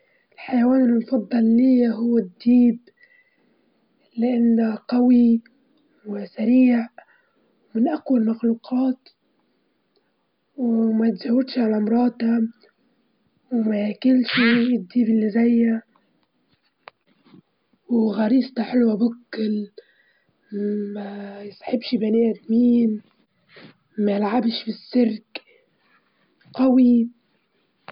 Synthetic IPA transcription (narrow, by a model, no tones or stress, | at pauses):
ɪlħajawaːnɪlmfɑd̪ˤːɑlːiːɦʊwːad̪ːiːb | lɪʔanːaqawi | wɪsaɾiːʕ | wmɪnʔakwalmaxluːqɑːt̪ | wmat̪d͡ʒawːɪd̪ʃʕalamɾˤɑːt̪a | wmakɪlːʃid̪ːiːbɪlːizajːa | wɣɑɾiːst̪aħɪlwabʊkːɪl | majsˤħɪbʃbaniːʔad̪miːn | majlʕabʃfisːɪɾk | qɑwi